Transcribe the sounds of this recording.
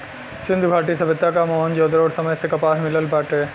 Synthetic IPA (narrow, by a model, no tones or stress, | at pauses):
sɪ̃nd̪ʱɡʱaːʈisɐbɪt̪ːakamɔːnd͡ʑoːd̪əɾoːɽsɐməjsekɐpaːɾmɪləlbaːʈeː